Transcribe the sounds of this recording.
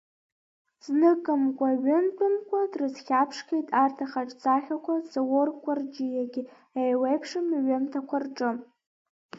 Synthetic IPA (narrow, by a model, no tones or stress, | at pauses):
z̥nɨkʼɨmkʷʼaɥɪntʰʼɨmkʷʼadrɨzχʲapʰʂkʰejtʼartʰaχaʈ͡ʂʼt͡sʼaχʲakʷʰazaworkʷʼard͡ʒijaɡʲɪ | ajwejpʰʂɨmɥɨmtʰakʷʰarʈ͡ʂʼɨ